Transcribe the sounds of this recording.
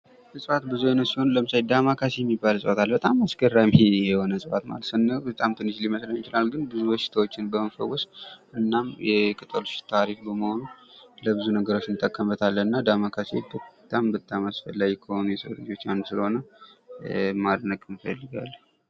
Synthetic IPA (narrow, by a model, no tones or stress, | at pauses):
nɨsʼɨfat̪bɨzujenəsiho̞nləmɨsajd̪amakʰasejɛmːibːalsʼɨwat̪ʰalbət̪ʼamasɡərːajmhejɛho̞nəsʼɨfa̰t̪ma̰lət̪sɨnːəbət̪ʼamt̪ʰɨnːɨʃliməsləɲit͡ʃɪlalɡɨnbɨzubəʃɪ̥t̪ʰawot͡ʃːɪnbəməfə̰wːɔsʔɨnːamjɛkʰʼɨt̪ʼəlust̪ʰaɾifbəməho̞nuləbɨzunəɡəɾo̞t͡ʃːnɨt̪ʼəkʼːəmbət̪ʰalːənɨnːad̪amakʰasḛbət̪ʼambət̪ʼamasfəlːaɡikʰəho̞nujɛsəɾad͡ʒo̞t͡ʃːanːusɨləho̞nə | mad̪nəkʼɨnfə̰lːɨɡa̰lː